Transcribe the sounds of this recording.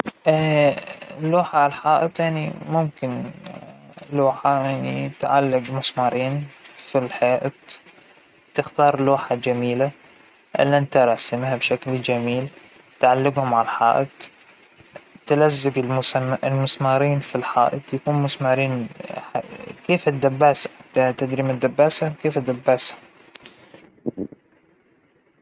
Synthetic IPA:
ʔ | lːoːħaʕalħaːʔɨt̪jaʕnimʊmkɪn | loːħajaʕnit̪ʕalːaɡmʊsmɑːɾˤiːnfilħeːʔt̪ | t̪ɪxt̪ɑːɾˤloːħad͡ʒamiːla | ʔɪ̰lːiʔɪnt̪aɾˤɑsamiːhabʃakld͡ʒamiːl | t̪ʕalːɪɡhʊmʕalħaːʔɪd̪ | t̪alazːaɡɪlɪlmʊsmɑːɾiːnfilħa̰ːʔɪt̪jakuːnmʊsmɑːɾiːnakeːfɪd̪ːabːaːst̪ad̪ɾimad̪ːabːaːsakeːfd̪ːabːaːsḁ

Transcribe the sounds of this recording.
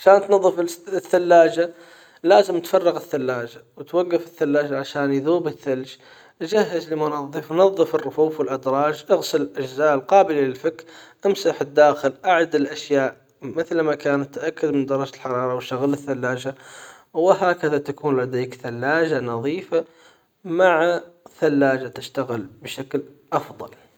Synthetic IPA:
ʕaʃaːnt̪nɑðˤːɨfθːalːaːd͡ʒa | laːzɪmt̪fɑrˤːɑɣɪθːalːaːd͡ʒawt̪waɡːafɪθːalːaːd͡ʒaʕaʃaːnjðuːbɪθːald͡ʒ | d͡ʒaɦːɪzlɪmʊnɑðˤːɨfnɑðˤːɨfɪrːʊfuːfwɪlʔad̪ɾˤɑːd͡ʒʔaɣsɪlɪlʔad͡ʒzaːʔlqɑːbɪlalɪlfɪkɾʔamsaħɪd̪ːaːxɪlʔaʕd̪ɪlʔaʃjaːʔ | mɪθlmakaːnat̪ːʔakːad̪mɪnd̪ɑɾˤɑd͡ʒlħɑɾˤɑːɾˤɑwʃt̪aɣalɪθːalːaːd͡ʒa | wɪɦaːkaðat̪akuːnlad̪eːkθalːaːd͡ʒanɑðˤiːfa | maʕθalːaːd͡ʒat̪ɪʃt̪aɣɪlbʃakl | ʔɑfðˤɑ̰l

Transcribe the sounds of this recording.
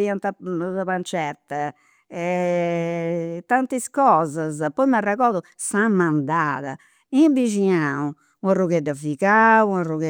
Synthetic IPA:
iant̪at̪apant͡ʃɛɾt̪a | ɛ | t̪ant̪iskɔːzazpɔjmarːaɣɔːðusamːand̪aːða̰ | imbid͡ʒiaũ | aruɣɛd̪afikauaruɣɛ

